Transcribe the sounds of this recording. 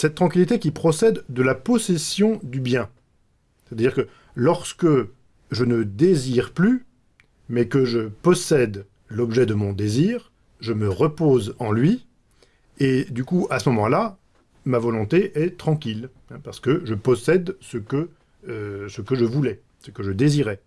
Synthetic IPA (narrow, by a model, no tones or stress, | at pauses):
sɛt̪t̪ːχɑ̃kʲilit̪ekʲipχɔsɛd̪ːəlapɔsɛsjɔ̃d̪ybjɛ̃ | se̥t̪ad̪iʁkə | lɔʁskə | ʒənəd̪eziʁply | mɛkəʒəpɔsɛd̪ | lɔbʒɛd̪əmɔ̃d̪eziʁ | ʒəməʁəpozɑ̃lɥi | ed̪ykuasəmɔmɑ̃la | mavɔlɔ̃t̪eʔɛt̪χɑ̃kʲil | ɛ̃paʁsə̥kəʒəpɔsɛd̪səkəː | səkəʒəvulɛ | səkəʒəd̪eziʁɛ